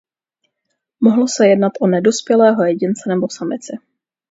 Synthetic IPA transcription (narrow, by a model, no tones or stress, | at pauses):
moɦlosɛjɛdnat̪ʔonɛdospjɛlɛːɦojɛɟɪnt͡sɛnɛbo̞samɪt͡sɪ